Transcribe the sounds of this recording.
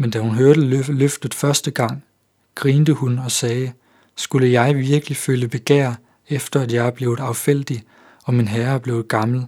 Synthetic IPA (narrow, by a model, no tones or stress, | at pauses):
mend̥æhunɦøɐd̥əløfd̥ð̩ˠfɶɐsd̥əɡ̥ɑ̈ŋ̰ | ɡ̥ʁiːnd̥əhunɒ̽sɛː | sɡ̥uləjɑ̈ɪʋiɐɡ̥əliføljəb̥e̝ɡ̥æɐ̰ | efd̥ɐæd̥jɑ̈ɪæb̥le̝ːʊð̩ˠɑ̈ʊfel̰d̥i | ɒ̽minɦæɐb̥le̝ːʊɡ̥ɑ̈ml̩